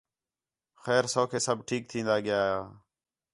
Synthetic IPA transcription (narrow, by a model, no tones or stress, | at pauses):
xɛːɾsoːkʰeːsəbʱʈʰiːk̚t̪ʰĩːnd̪aːɠɪjaːɦaː